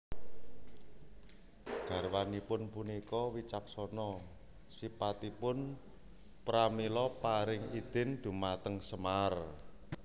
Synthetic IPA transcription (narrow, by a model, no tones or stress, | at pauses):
ɡ̥a̤rwanipʊnpunikɔwit͡ʃaksɔnɔ | sipat̪ipʊn | pɾamilɔpaɾɪŋid̪̥ɪ̤nd̪̥ṳmat̪əŋsəmar